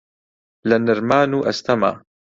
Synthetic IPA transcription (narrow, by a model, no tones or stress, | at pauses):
lɐnɪɾmaːnuʔɐst̪ɐma̰ː